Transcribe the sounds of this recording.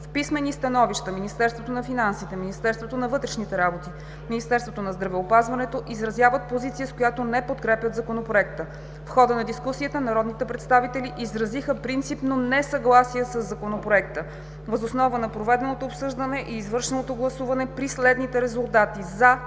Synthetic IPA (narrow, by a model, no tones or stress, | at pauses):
fpismɛnist̪ɐnɔviʃt̪əminist̪ɛɾst̪vot̪onɐfinansit̪ɛminist̪ɛɾst̪vot̪onɐvɤt̪ɾɛʃnit̪ɛɾabot̪i | minist̪ɛɾst̪vot̪onɐzd̪ɾɐvɛopazvɐnɛt̪oʔizɾɐzjavət̪̚pozit̪sijəskojat̪onɛpot̪kɾɛpʲjət̪zɐkonopɾoɛkt̪ə | fxɔd̪ənɐd̪iskusiət̪ənɐɾɔd̪nit̪ɛpɾɛt̪st̪avit̪ɛliʔizɾɐzixəpɾint̪sipnonɛsɐɡlˠasijəsəzːɐkonopɾoɛkt̪ə | vəzosnɔvənɐpɾovɛd̪ɛnot̪oːpsɤʒd̪ənɛʔiːzvɤɾʃɛnot̪oɡlˠɐsuvɐnɛpɾislɛd̪nit̪ɛɾɛzulˠt̪at̪iza